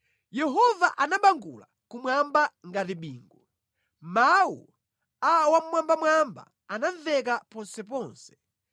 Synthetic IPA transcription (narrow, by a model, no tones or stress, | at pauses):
jɛɦɔvaʔanaɓaŋɡṵla | kumwambaŋɡatiɓiːŋɡu | mawṵ | awam̩mwambamwamba̰ | anavɛkapɔnsɛpɔːnsɛ̥